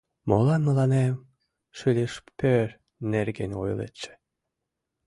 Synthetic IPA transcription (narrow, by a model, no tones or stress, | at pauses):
molˠɑnməlɑnem | ʃylʲeʃpʰøɾ | neɾɡenʲo̰jṵlˠḛt̪t͡ʃːe̥